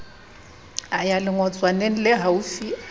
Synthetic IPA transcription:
ajalɪŋɔt͡sʼwanen̩lɪɦaufi

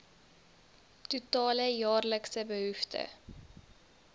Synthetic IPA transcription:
tutɑːləjɑːrləksəbəɦʉftə̰

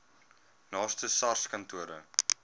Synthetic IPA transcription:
nɑːstəsɐrskɐntuəɾə̰

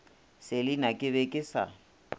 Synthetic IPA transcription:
sɪlɪnakʼɪbɛkʼɪsa̰

